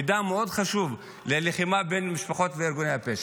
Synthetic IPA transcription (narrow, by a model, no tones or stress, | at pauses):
d̪ameo̞d̪χaʃuv | leleχimabe̞jnmiʃpaχo̞t̪veeɾɡonejapes